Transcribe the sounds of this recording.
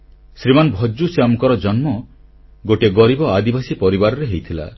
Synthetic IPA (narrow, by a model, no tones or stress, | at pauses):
sɾimanɔbʱɔd͡ʒusjamkɔɾɔd͡ʒɔnmɔɡoʈeɡɔɾibɔad̪ibasipɔɾibaɾɔɾeɦejt̪ʰila̰